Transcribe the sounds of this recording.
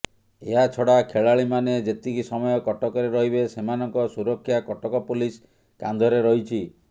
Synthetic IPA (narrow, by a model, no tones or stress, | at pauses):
eɦat͡ʃʰɔɽakʰeɭaɭimaned͡ʒet̪ikisɔmɔjɔkɔʈɔkɔɾeɾɔɦiβesemanɔŋkɔsuɾɔkʰːjakɔʈɔkɔpulis | kand̪ʱɔɾeɾɔɦit͡ʃʰi